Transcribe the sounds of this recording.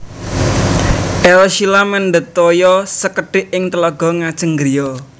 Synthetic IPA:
ʔɛlʃilamənɖ̪ət̪ojɔsəkəɖ̥ɪ̤ʔɪŋt̪əlɔɡ̥ɔ̤ŋad̥ʒ̥ə̤ŋɡɾijɔ

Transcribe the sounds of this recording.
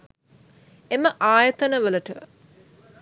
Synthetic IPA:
eməʔaːjət̪ənəʋələʈə

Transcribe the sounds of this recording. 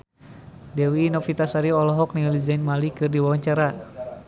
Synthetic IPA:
dɛwiːnɔfit̪asaɾiɔlɔɦɔk̚nilid͡ʒainmalikɨrdiwawaɲt͡ʃaɾa

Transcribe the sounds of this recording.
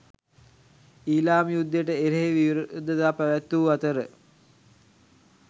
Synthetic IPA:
iːlaːmijud̪ːəjeʈəeɾeɦeʋiʋiɾud̪əd̪aːpæʋæt̪ːuːat̪əɾə

